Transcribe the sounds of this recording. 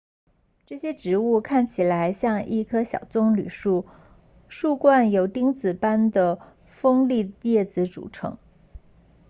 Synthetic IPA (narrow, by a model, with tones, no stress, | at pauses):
ʈ͡ʂɤ˥˩ɕjɛ˥ʈ͡ʂɻ̩˧˥u˥˧kʰa˥˩nt͡ɕʰi˨˩la˧˥ɪɕjɑ˥˧ŋʔi˥˩kʰɤ˥ɕjɑ̰˨˩ʊt͡sʊ˥ŋly˨˩ʂu˥˩ | ʂu˥˧kwa˥˩njo˧˥ʊt̪i˥ŋt͡sɹ̩˨˩pa˥nd̪ə˨ | fɤ˥ŋli˥˧t̪jɛ˥˩t͡sɹ̩˧˥ʈ͡ʂṵ˨˩ʈ͡ʂʰɤ̰˧˥ŋ